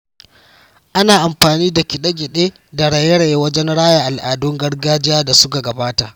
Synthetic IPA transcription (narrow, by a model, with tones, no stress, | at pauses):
ʔa˦naː˨ʔa˨mɸaː˨niː˦da˨kʲɪ˨ɗɐ˦ɡʲɪ˨ɗeː˦ | da˨ɽa˨je˦ɽa˨je˦wɐ˦d͡ʒɛ˦nɽaː˦ja˨ʔa˨lʔaː˨dʊ˦ŋɡɐ˦ɽɡaː˦d͡ʒɪ˦jaː˦da˨sʊ˦ka˨ɡɐ˨baː˦ta˨ʔ